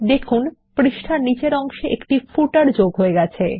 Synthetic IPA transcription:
d̪ekʰunpɾiʃʈʰanit͡ɕeɾɔŋʃeʔḛkʈifʰuʈaɾd͡ʑoɡɦoeɡɛt͡ɕʰḛ

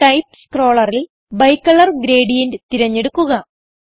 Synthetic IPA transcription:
ʈɐjpskro̞ːɭɐril | bɐjkːɐɭɐrɡɾe̞ːɽijɐndɨt̪iɾɐɲːe̞ɽukːuɣɐ

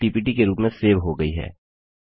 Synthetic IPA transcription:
ʈiːpiːʈikeɾuːpmẽseːʋɦoɡɐiɦɛ̰ː

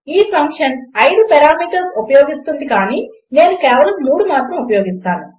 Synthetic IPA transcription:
iːpʰɐŋkʂɐnɐjɽupɛɾaːmiːʈɐsupɐjoːɡist̪und̪ikaːniː | ne̞ːnukɛːʋɐlɐmːuːɽumaːt̪ɾɐmupɐjo̞ːɡist̪aːnu

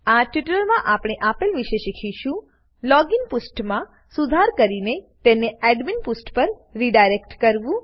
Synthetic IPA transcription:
aʈiʈləɾmãʔapɽ̃eʔapelʋiʃeʃikʰiʃũ | lɔɡinpusʈmã | sud̪ʱaɾkəɾinet̪eneɛɖminpusʈpəɾː | iɖajɾekʈkəɾʋũ

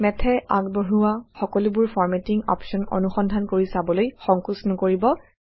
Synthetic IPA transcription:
mɛtʰɛa̰ɡbɔɦuwaxɔkɔlubʊɹpʰɔɹmɛtiŋɔ̰pʃɔnɔ̰nuxɔndʱankoɹisabɔlojxɔŋkusnɔkoɹibɔ

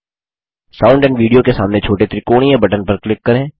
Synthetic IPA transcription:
saːʊ̃ɳɖɛ̃ːɳɖʋiːɖijokesaːmnet͡ʃʰoːʈet̪ɾɪkoːɽ̃iẽbɐʈənpɐɾklɪkːɐɾẽː

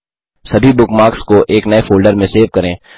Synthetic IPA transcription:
sɐbʱibʊkmaːɾkskoʔeːknɐefʰoːlɖəɾmẽseːʋkɐɾẽː

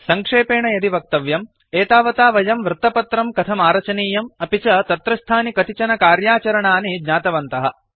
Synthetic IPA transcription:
sɐŋkʂeːpeːɳɐjɐd̪iʋɐk̚t̪ɐʋjɐm | eːt̪aːʋɐt̪aːʋɐjɐmʋɾɨt̪ːɐpɐt̪ɾɐmkɐt̪ʰɐmaːɾɐt͡ʃɐniːjɐmɐpit͡ʃɐt̪ɐt̪ɾɐst̪ʰaːnikɐt̪it͡ʃɐnɐkaːɾjaːt͡ʃɐɾɐɳaːnid͡ʒɲaːt̪ɐʋɐnt̪ɐɦɐ̆

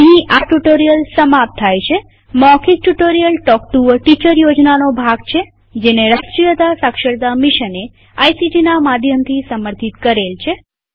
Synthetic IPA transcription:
ĩʔaʈuʈoɾijəlsəmap̚t̪ʰajt͡ʃʰe | mɔkʰik̚ʈuʈoɾijəlʈɔkʈuʋəʈit͡ʃəɾjod͡ʒnanobʱaɡt͡ʃʰe | d͡ʒeneɾəsʈɾijət̪asakʃəɾd̪amiʃəne | ajsid͡ʒinamad̪ʱjəmt̪ʰisəməɾt̪ʰit̪kəɾelt͡ʃʰe

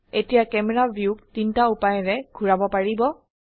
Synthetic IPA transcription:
etijakɛmɛɹabʱjuk̚tintaupajɔɹɛɡʱuɹabɔpaɹibɔ

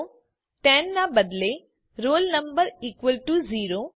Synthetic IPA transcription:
ʈɛ̃ːnːãbɐd̪le | ɾoːlnəmbəɾiːkʋəlʈuziːɾo

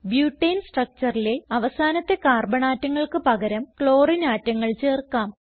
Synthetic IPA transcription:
bjuːʈːejnsʈrɐk̚t͡ɕɐrile̞ɐʋɐsaːnɐt̪ːe̞kaːrbɐɳaːtːɐŋːɐɭkɨpɐɣɐɾɐmkɭo̞ːrinaːtːɐŋːɐɭt͡ɕe̞ːrkaːm

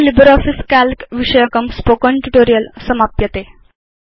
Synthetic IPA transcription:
libəɾɔfiskælkʋiʂəjəkəmspokɔɳʈuʈoɾijəlsəmapjət̪e

